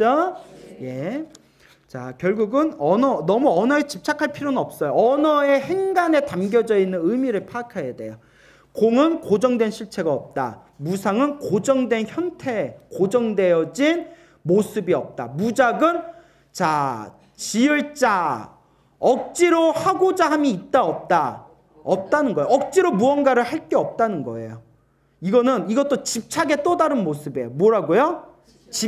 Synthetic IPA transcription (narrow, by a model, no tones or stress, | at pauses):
je̞ | t͡ɕakjʌɭɡuɡɯnʌnʌnʌmuʌnʌet͡ɕip̚t͡ɕʰakʰaɭpʰiɾonɯnʌp̚s͈ʌjoʌnʌe̞heŋɡane̞tamɡjʌd͡ʑʌinːɯnɯmiɾɯɭpʰakʰajade̞̰jo | koŋɯnkod͡ʑʌŋdwe̞nɕʰiɭt͡ɕʰe̞ɡaʌp̚t͈a̰ | musʰaŋɯnkod͡ʑʌŋdwe̞nçjʌntʰe̞kod͡ʑʌŋdwe̞jʌd͡ʑin | mosʰɯbiʌp̚t͈amud͡ʑaɡɯn | t͡ɕa | t͡ɕiɯɭt͡ɕ͈a | ʌk̚t͡ɕ͈iɾohaɡod͡ʑaɦamjiːt̚t͈aʌp̚t͈a | ʌp̚t͈anɯnɡʌejoʌk̚t͡ɕ͈iɾomuʌnɡaɾɯɭhaɭk͈e̞ʌp̚t͈anɯnɡʌ̰e̞̰jo | iɡʌnɯniɡʌt͈ot͡ɕip̚t͡ɕʰaɡe̞t͈ʌdaɾɯnmosʰɯbe̞jomwʌɾaɡojo | t͡ɕi